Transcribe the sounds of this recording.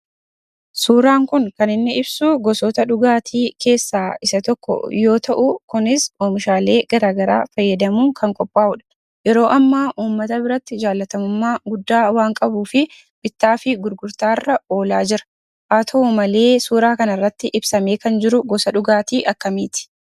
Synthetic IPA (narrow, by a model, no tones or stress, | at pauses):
suːɾaːŋkʊŋkɐnɪnːɪɪbsuɡɔsɔːt̪ɐᶑʊɡaːt̪ʰiːkʰe̞ːsːaːɪsɐt̪ɔkːɔ̰jo̞ːt̪ɐʔʊkʊnɪsoːmɪʃaːle̞ːɡ̥ɐɾaːɡɐɾa̰ːfɐjːɐd̪ɐmuːŋkʰɐŋkʼɔpʼːaːʊᶑɐ̥ | jɛɾo̞ːʔɐmːaːʔuːmːɐt̪ɐbɪɾɐt̪ːɪd͡ʒaːlːɐt̪ɐmʊmːaːɡʊd̪ːaːwaːŋkʼɐbuːfɪ | bɪt̪ːaːfɪɡʊɾɡʊɾt̪aːrːɐo̞ːlaːd͡ʒɪɾɐ̥ | ʔaːt̪ʰɐmɐle̞ːsuːɾaːkɐnɐrːɐt̪ːɪʔɪbsɐme̞ːkɐnd͡ʒɪɾʊɡɔsɐᶑʊɡaːt̪iːʔɐkːɐmiːt̪ɪ̥